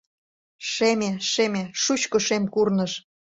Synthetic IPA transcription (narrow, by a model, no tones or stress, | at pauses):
ʃemeʃemeʃut͡ɕkə̆ʃemkurnə̆ʃ